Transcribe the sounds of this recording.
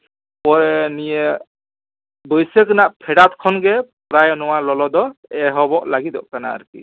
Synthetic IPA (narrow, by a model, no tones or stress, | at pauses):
pɔɾɛnijɛ | bɔjsɛkɯnaʔpʰɛɽat̪kʰɔnɡɛpɾajɔnɔwalɔlɔd̪ɔɛɦɔbɔʔlaɡid̪ɔ̰ʔkana̰ːɾkḭ